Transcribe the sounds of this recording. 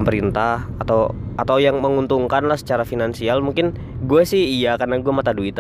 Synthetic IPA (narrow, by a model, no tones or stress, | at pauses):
mpəɾint̪ahat̪awʔat̪awjaŋməŋunt̪uŋkanlahsə̥t͡ʃaɾafinansialmuŋkɪn | ɡuasɪhijakarnaɡuamat̪aduit̪